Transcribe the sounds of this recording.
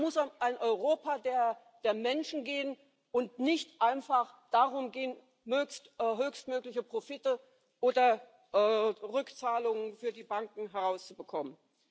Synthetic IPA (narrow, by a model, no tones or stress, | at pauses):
mʊsamʔaɪnʔɔʏʁoːpadeːɐ | d̥eːɐmɛnʃn̩ɡeːən | ʔʊntnɪçtʔaɪnfaχd̥aʁʊmɡeːən | møːçstːɦøːçstmøːklɪçəpʁ̥ofɪtə | ʔoːdɐ | ʔɛːʁʏkt͡saːlʊŋənfyːɐdiːbaŋkŋ̩ɦɛʁaʊst͡subəkʰɔmən